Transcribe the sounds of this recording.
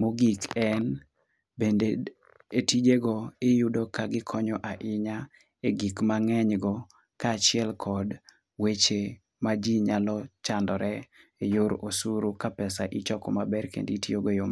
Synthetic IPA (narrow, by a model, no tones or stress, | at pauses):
moɡikɛn | bende | etid͡ʒeɡɔɪjudokaɡɪkʰɔɲɔʔaʔɪɲa | eɡikmaŋɛɲɡɔ | kat͡ʃɪɛlkʰɔd | wet͡ʃe | mad͡ʒiɲalɔt͡ʃandɔɾɛejoɾosuɾokapɛsaʔɪt͡ʃɔkɔmabɛrkḛnditioɡojom